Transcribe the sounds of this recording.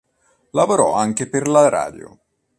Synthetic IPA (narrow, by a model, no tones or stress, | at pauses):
lavoɾɔaŋk̟eperlaɾa̰ːd̪jo̰